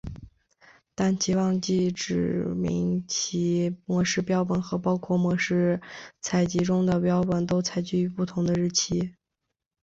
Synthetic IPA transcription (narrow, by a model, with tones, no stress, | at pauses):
t̪a˥˩nɕi˧˥wɑ˥˧ŋt͡ɕi˥˩ʈ͡ʂɻ̩˨˩mḭ˧˥ŋt͡ɕʰi˧˥mwɔ˧˥ʂɻ̩˥˧pjɑ˥ʊpə˨˩nxɤ˧˥pɑ˥ʊkʰwɔ˥˩mwɔ˧˥ʂɻ̩˥˩t͡sʰa˧˥ɪt͡ɕi˧˥ʈ͡ʂʊ˥ŋd̪ə˨pjɑ˥ʊpə˨˩nt̪o˥ʊt͡sʰa˧˥ɪt͡ɕy˥˩y˧˥pu˥˩t̪ʰʊ˧˥ŋd̪ə˧ɻɻ̩˥˩t͡ɕʰi˥